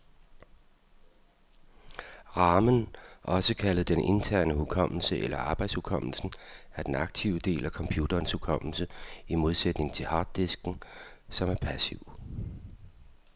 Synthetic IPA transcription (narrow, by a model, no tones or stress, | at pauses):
ʁɑ̈ːmənʔɒ̽səkʰæləð̩ˠd̥enʔe̝nt͡sʰæɐ̰nəhukʰɒ̽m̰l̩səʔelɐɑ̈ːb̥ɑ̈ɪd̥shukʰɒ̽m̰l̩sn̩æɐd̥en̩ɑ̈ɡ̥̚t͡sʰiʊd̥e̝̰ːlækʰɒ̽mpʰjuːd̥ɐːnshukʰɒ̽m̰l̩səimo̝ð̞ˠsed̥ne̝ŋt͡sʰe̝lhɑ̈ːd̥ːesɡ̥n̩sɒ̽mæɐpʰæsiʊ̰